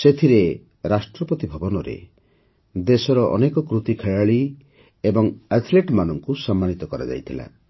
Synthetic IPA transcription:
set̪ʰiɾe | ɾasʈɾɔpɔt̪ibʱɔbɔnɔɾḛ | d̪esɔɾɔʔɔ̰nekɔkɾut̪ikʰeɭaɭi | ebɔŋat̪ʰleʈmanɔŋkusɔmːanit̪ɔkɔɾa̰d͡ʒa̰jt̪ʰila̰

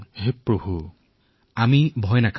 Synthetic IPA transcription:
ɦepɹobʱu | amibʱɔjnakʰ

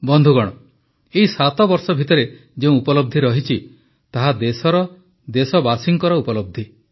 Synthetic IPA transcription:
bɔnd̪ʱuɡɔɽ̃ɔ | eisat̪ɔbɔɾsɔbʱit̪ɔɾe | d͡ʒeũupɔlɔb̚d̪ʱiɾɔɦit͡ʃʰi | t̪aɦad̪esɔɾɔ | d̪esɔbasiŋkɔɾɔupɔlɔb̚d̪ʱi

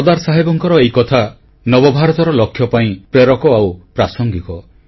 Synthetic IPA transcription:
ɔd̪aɾsaɦebɔŋkɔɾɔejkɔt̪ʰa | nɔbɔbʱaɾɔt̪ɔɾɔlɔkʰjɔpaĩpɾeɾɔkɔawpɾasɔŋɡikɔ

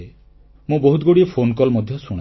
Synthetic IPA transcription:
e | mũboɦut̪̚ɡoɽiɔpʰonkɔlmɔd̪ʱjɔsuɽ̃

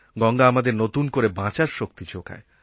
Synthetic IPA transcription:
ɡɔŋɡaamad̪eɾnot̪unkoɾebãt͡ɕaɾʃok̚t̪id͡ʑokʰa̰e

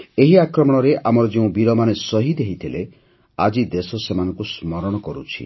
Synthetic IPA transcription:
eɦiakɾɔmɔɽ̃ɔɾeʔamɔɾɔd͡ʒeũbiɾɔmanesɔɦid̪eɦit̪ʰile | a̰d͡ʒid̪esɔsemanɔ̃ŋkusmɔɾɔɽ̃ɔkɔɾṵt͡ʃʰḭ

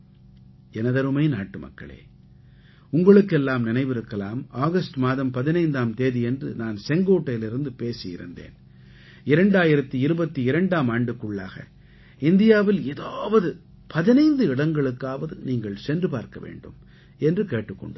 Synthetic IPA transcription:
ɛnɐðɐɾɯmɐɪnaːʈːɯmɐ̰kːɐ̰ɭḛː | ʊŋɡɐɭɯkːɛlːaːmnɪnɐɪʋɪɾɯkːɐlaːmaːɣɐsʈmaːðɐmpɐðɪnɐɪnd̪aːmt̪eːðiɛndrɯ̰naːnsɛŋɡoːʈːɐjɪlɪɾɯnd̪ɯpeːsɪjɪ̰ɾɯ̰nd̪ḛːn | ɪɾɐɳɖaːjɪɾɐt̪ːiɪɾɯbɐt̪ːiɪɾɐɳɖaːmaːɳɖɯkːɯɭːaːɣɐ̰ | ɪnd̪ɪjaːʋɪleːðaːʋɐðɯ | pɐðɪnɐɪnd̪ɯɪɽɐŋɡɐɭɯkːaːʋɐðɯniːŋɡɐɭsɛndrɯpaːɾkɐʋḛːɳɖɯ̰m | ɛndrɯkeːʈːɯkːɔ̰ɳɖ

